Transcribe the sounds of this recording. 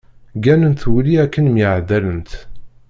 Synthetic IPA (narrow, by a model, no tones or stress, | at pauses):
ɡænənt̪wliækːənmjəʕd̪ælənt̪